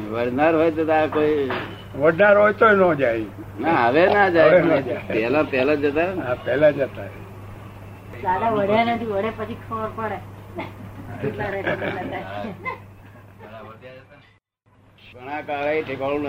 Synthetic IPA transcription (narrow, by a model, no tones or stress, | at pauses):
ʋəɽnaɾɦojt̪ət̪akoi | ʋəɽnaɾɦojt̪oenõd͡ʒainaəʋenad͡ʒajnɛlãpɛlad͡ʒət̪anapɛlad͡ʒət̪aɛ | lalaʋəɽ̤janət̪ʰiʋəɽepət͡ʃʰikʰəʋəɾpəɾe | kelaɾet̪akɛld͡ʒa | alaʋədjad͡ʒət̪a | ɡəɽ̃akaɭaiʈʰikaɭũn